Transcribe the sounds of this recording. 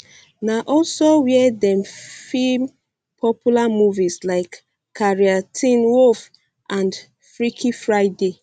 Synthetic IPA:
naʔɔlsowiɛɛdɛ̃mfim | pʰɔpʰjulamuvislaɪkːʰ | aɹiatʰĩnwof | ʔãnd | fɹikʰifɹaɪde

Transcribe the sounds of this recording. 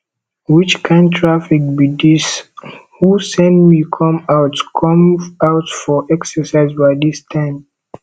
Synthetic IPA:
wit͡ʃkʰãntʰɹafik̚bidis | husɛ̃ndmikʰɔ̃maʊtkʰɔ̃mawtfɔʔɛksəsaɪzbaɪdistʰãɪ̃m

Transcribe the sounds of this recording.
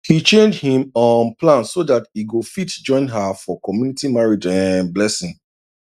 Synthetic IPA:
hit͡ʃẽnd͡ʒhĩmɔ̃nplãnsodatiɡofitd͡ʒɔ̃ɪ̃nɦafɔkɔmjunitimaɹid͡ʒɛ̃nblɛsĩŋ

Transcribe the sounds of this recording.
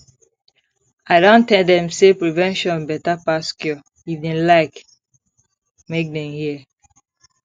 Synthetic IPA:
aɪdõntɛ̃ldɛ̃msepɹivɛ̃nʃɔ̃nbɛtapaskjɔ | ivdẽnlaɪk | mek̚nɛ̃nhiə

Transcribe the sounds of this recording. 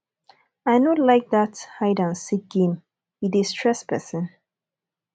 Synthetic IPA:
aɪnɔtlaɪk̚ðathaɪdãnsik̚ɡẽm | idistʰɹɛspʰɛsə̃n

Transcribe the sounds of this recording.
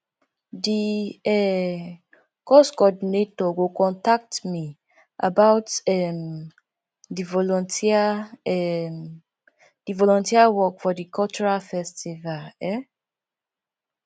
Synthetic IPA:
diɛ | kɔskɔdinetɔɡokɔ̃ntak̚tmi | ʔa̰baʊtɛm | divɔlɔ̃ntʰia | d̥ivɔlɔ̃ntiawɔkfɔdikʰɔlt͡ʃuɹalfɛstivalɛ

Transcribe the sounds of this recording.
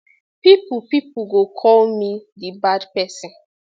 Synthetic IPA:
pipupipuɡokʰɔlmidɪbadpɛsɪ̃n

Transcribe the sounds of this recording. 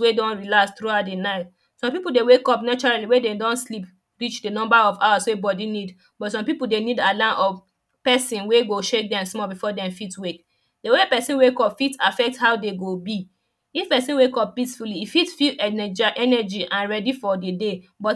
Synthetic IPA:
wedɔ̃nɹilastɹuadenaɪt | sɔ̃mpipudewekɔpnat͡ʃɔɹaliwededɔ̃nslip | ɹit͡ʃdenɔ̃mbaɔvawaswebɔdinid | bɔtsɔ̃mpipudenidalãnʔɔv | pɛsĩnweɡoʃek̚dɛ̃msmɔbifɔdɛ̃mfitwek | dewepɛsĩnwekɔpfitafɛk̚thaʊdeɡobi | ifpɛsĩnwekɔp̚pisfuliːfitfiɛɛd͡ʒaʔɛnɛd͡ʒiʔãnɹɛdifɔdede | bɔt

